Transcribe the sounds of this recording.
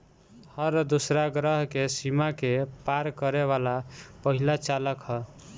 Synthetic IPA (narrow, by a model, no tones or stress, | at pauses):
hʌɾd̪osɾaɡɾʌɦkesimakepaɾkʌɾeβalapəɦilat͡ʃaləkɦʌ